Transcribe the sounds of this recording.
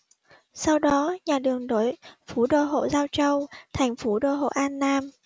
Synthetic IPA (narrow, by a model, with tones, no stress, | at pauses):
sa˧wɗɔ˨˦ɲaː˨˩ɗɨ˨˩əŋɗo˨˦jfu˨˦ɗo̰˧˨ɦo̰˧˨zaː˧wt͡ɕə˧wt̪ʰɛ˨˩jŋ̟fu˨˦ɗo̰˧˨ɦo̰˧˨ʔaː˧nːaː˧m